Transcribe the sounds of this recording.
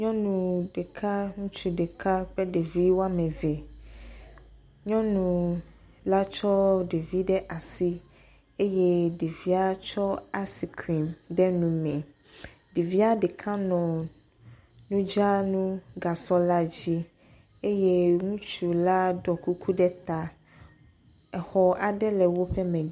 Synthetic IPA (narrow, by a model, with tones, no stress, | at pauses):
ɲɔ̃˦nũ˨ɖe˨kʰa˦ŋũ˦t͡ʃu˨ɖe˨ka˦ɸɛ˦ɖe˨vi˦wo˦a˦mɛ̃˨vɛ˨ | ɲɔ̃˦nũ˨ | la˦t͡ʃɔ˦ɖe˨vi˦ɖɛ˦ʔa˨si˦ | e˦je˦ɖe˨vi˦a˦t͡ʃɔ˦a˦si˨kʰɾi˨mɖɛ˦nũ˨mɛ̃˨ | ɖi˨vi˦a˦ɖe˨kʰã˦nɔ̃˨ | nũ˦d͡ʒa˦nũ˦ɡa˨sɔ˦la˦d͡ʑi˦ | e˦je˦ŋũ˦t͡ʃu˨la˦dɔ˨ku˦kʰu˦ɖɛ˦t̪a˦ | ɛ˨xɔ˨a˨ɖɛ˦lɛ˨wo˦ɸɛ˦mɛ̃˨